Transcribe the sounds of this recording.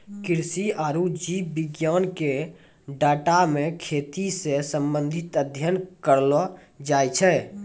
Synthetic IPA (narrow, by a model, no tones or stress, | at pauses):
kiɾsiaɾud͡ʒibiɡjanke | ɖaːʈamekʰet̪isesəmbənd̪ʱit̪əd̪ʱjənkəɾlɔ | d͡ʒajt͡ʃʰɛ